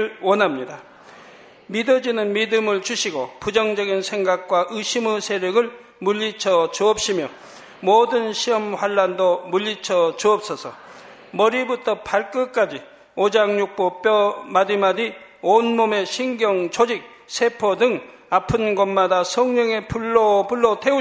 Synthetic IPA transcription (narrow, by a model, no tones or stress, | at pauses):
ɭwʌnɦamɲida | midɯd͡ʑinɯnmidɯmɯɭt͡ɕuɕʰiɡopud͡ʑʌŋd͡ʑʌɡinsʰe̞ŋɡak̚k͈waʔɯɕʰimɯsʰe̞ɾjʌɡɯɭ | muʎːit͡ɕʰʌt͡ɕuʌp̚ɕ͈ʰimjʌ | modɯnɕʰiʌmɸwaɭːandomuʎːit͡ɕʰʌt͡ɕuʌp̚s͈ʌsʰʌ | mʌɾibutʰʌpʰaɭk͈ɯk͈ad͡ʑi | od͡ʑaŋɲuk̚p͈op͈jʌmadimadionmome̞ɕʰiŋɡjʌŋt͡ɕod͡ʑik̚ | sʰe̞pʰodɯŋ | apʰɯnɡʌnmadasʰʌŋɲʌŋe̞puɭːopuɭːoteu